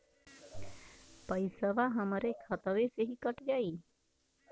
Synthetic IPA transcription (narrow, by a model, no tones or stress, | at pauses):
pəjsəʋaɦəməɾekʰət̪əʋeseɦikəʈd͡ʒai